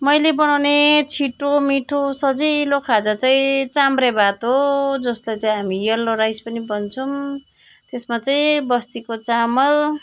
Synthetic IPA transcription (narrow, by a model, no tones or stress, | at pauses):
mʌjlebʌnawnet͡sʰiʈomiʈʰosʌd͡zijlokʰad͡zat͡saĩt͡samrebat̪ɦod͡zʌst̪ajt͡saĩɦamijʌlːoɾajspʌnibʌnt͡sʰum | t̪esmat͡saĩbʌst̪ikot͡samʌl